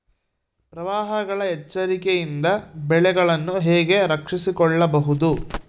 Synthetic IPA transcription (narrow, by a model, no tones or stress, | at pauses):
pɾɐʋaːɦɐɡɐɭɐɛt͡ʃːɐɾikejind̪ɐbɛɭɛɡɐɭɐnːuɦɛːɡe̞ɾɐkʂisikɔɭːɐbɐɦud̪u